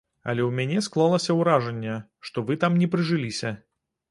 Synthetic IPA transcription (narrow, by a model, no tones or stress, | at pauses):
ɐ̰lʲɛwmʲanʲɛsklˠalˠɐsʲɐwɾaʐɛnʲːɛʂt̪ɔvɨt̪amnʲɛpɾɨʐɨlʲisʲɐ